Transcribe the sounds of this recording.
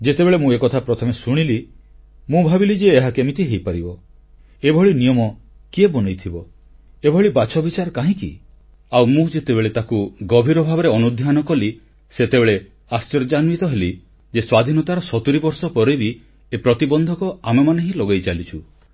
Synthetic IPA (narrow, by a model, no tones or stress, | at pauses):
d͡ʒet̪ebeɭemũekɔt̪ʰapɾɔt̪ʰɔmesuɽ̃ili | mũbʱabilid͡ʒeːɦakemit̪ʰiɦejpaɾibɔ | ebʱɔɭinijɔmɔ | kiebɔnɔjt̪ʰibɔ | ebʱɔɭibat͡ʃʰɔbit͡ʃaɾɔkaɦĩkḭ | awmũd͡ʒet̪ebeɭet̪akuɡɔbʱiɾɔbʱabɔɾeɔnud̪ʱjanɔkɔli | set̪ebeɭe | ast͡ʃɔɾd͡ʒanmit̪ɔɦeli | d͡ʒeswad̪ʱinɔt̪aɾɔsɔt̪uɾibɔɾsɔpɔɾojbi | epɾɔt̪ibɔnd̪ʱɔkɔamemaneɦĩlɔɡajt͡ʃalit͡ʃʰu